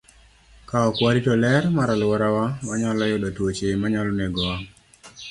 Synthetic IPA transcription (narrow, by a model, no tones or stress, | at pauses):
kaɔkwaɾitɔlɛɾmaɾalwɔɾawawaɲɔlɔjodɔtwot͡ʃemaɲɔlɔneɡɔwa